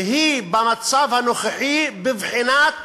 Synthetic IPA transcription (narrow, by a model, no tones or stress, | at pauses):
ɦibɪmat̪sˤaːvhanoxaħibɪvħinaːt̪